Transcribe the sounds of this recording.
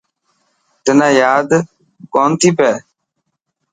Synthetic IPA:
t̪ɪnãːjaːd̪ | koːnt̪ʰiːpɛː

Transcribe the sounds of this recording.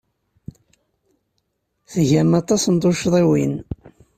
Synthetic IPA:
θəʝæmɑt̪ˤːɑsnt̪ˤoʃðˤiwin

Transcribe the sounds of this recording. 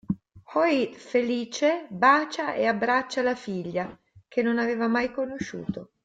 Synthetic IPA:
hɔifeliːt͡ʃebaːt͡ʃaeabɾat͡ʃːalafiʎːa | k̟enːonaveːvamajkonoʃːṵːt̪o

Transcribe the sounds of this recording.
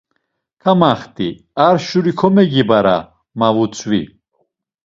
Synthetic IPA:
kʰamaχt̪i | aɾʃuɾikʰɔmɛɡibaɾa̰ | mavut͡sʰwḭ

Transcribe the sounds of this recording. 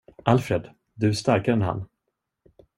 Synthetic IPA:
ʔalfɾɛd̪ | d̪ɵst̪aɾkad̪ɛnɦa̰nː

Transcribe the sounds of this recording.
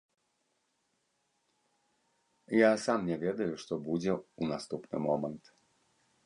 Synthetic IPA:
jasamnʲɛvʲɛd̪ɐjuʂt̪ɔbud͡zʲɛunast̪upnɨ̰mɔmɐnt̪

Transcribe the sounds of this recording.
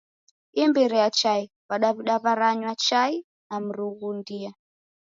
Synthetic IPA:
imbɛɾiat͡ʃai | βaɗaβiɗaβaɾaɲwat͡ʃai | nam̩ɾuɣundia

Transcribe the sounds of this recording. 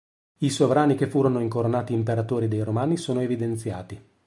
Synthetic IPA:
isovɾaːnik̟efːuːɾonoiŋkoɾonaːt̪iːmpeɾat̪oːɾid̪ejɾomaːnisoːnoevid̪ent̪sja̰ːt̪i

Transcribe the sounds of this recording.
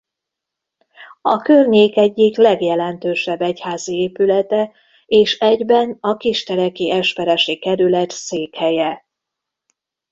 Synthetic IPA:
ɒkørɲeːkɛɟːiklɛɡjɛlɛnt̪øːʃɛbːɛchaːzieːpylɛt̪ɛ | eːʃɛɟbɛnɒkiʃt̪ɛɾɛkiʔɛʃpɛɾɛʃikɛɾylɛt̪seːkhɛjɛ

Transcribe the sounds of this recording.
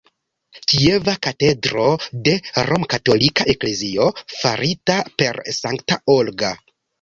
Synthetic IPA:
kie̞vakate̞dɾo̞de̞ɾo̞mkato̞likaʔe̞kle̞zio̞fa̰ɾitape̞ɾsaŋktaolɡa

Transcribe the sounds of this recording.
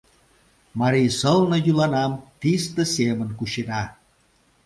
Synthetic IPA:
mɑɾijsəlnɤ̆jylɑnɑmt̪ist̪ə̆semənkuʃenɑ

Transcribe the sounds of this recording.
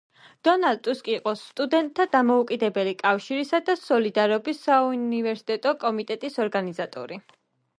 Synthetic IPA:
d̪̥ɔnald̪̚t̪ʼuskʼiːqʼɔst̪ʼud̪ɛnt̪̚ʼʰːad̪amɔukʼid̪ɛbɛlikʼafʃiɾisad̪asɔlid̪aɾɔbisaunivɛɾsi̥t̪ʼɛt̪ʼɔkʼɔmit̪ʼɛt̪ʼisɔɾɡanizat̪ʼɔ̰ɾi

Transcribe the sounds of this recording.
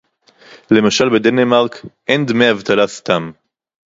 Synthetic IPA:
le̞maʃalbed̪enemaʁkʔend̪meavt̪alast̪am

